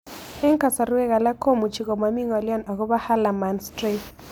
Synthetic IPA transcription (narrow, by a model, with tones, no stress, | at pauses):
ɛ˦ŋka˨sa˨ɾu˦wɛ˦ɣa˨la˦ko˦mu˨t͡ʃi˨ɣɔ˨ma˨mi˦ŋɔ˨lɪ˦ɔ˦na˨ɣɔ˦βa˦ha˦la˨ma˨nstɾi˦t